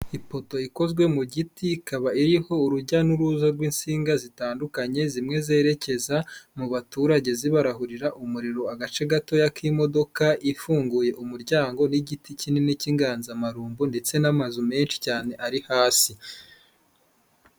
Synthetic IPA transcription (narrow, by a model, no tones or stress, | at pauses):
ipo̞to̞iko̞zɡwe̞muɟitikʰaβaiɾiho̞uɾuɟanuɾuzaɾɡwiːnsiːŋɡazitaːndukaɲe̞zimŋe̞ze̞ːɾe̞ce̞zamuβatuːɾaɟe̞ziβaɾaɦuɾiɾaʔumuɾiɾo̞aɡat͡ʃe̞ɡato̞jakʰimo̞do̞kaʔifuːŋɡuje̞ʔumuɾɟaːŋɡo̞niɟiticininiciŋɡaːnzamaɾuːmbunde̞t͡se̞namazume̞ːnʃi̥caːne̞ʔaɾihaːsi